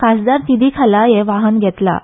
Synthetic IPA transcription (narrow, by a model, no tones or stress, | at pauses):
kasd̪aɾt̪id̪ʱiːkʰalajeʋaɦənɡʱɛt̪la̰